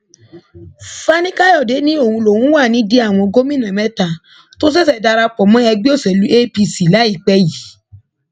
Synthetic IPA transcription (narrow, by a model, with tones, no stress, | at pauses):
fa˦nĩ˦ka˦jɔ˦˨de˨˦nĩ˦o˦˨hũ˧lo˨wũ˨˦wa˦˨nĩ˨˦de˦a˦˨w̃ɔ̃˧ɡo˦mĩ˦nã˨mɛ̃˦ta˧˨ | to˦s̬ɛ˦˨s̬ɛ˦˨da˧ɾa˧k͡pɔ˨mɔ̃˨˦ɛ˧ɡ͡bi˦o˦˨sɛ˨lu˨˦e˦pi˧si˨la˨˦i˦˨k͡pɛ˧ji˨˦